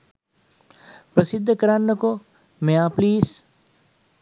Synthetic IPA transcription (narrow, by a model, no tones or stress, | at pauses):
pɾɐsɪd̪ʱːkɐɾaːnːəko | meaːpliːs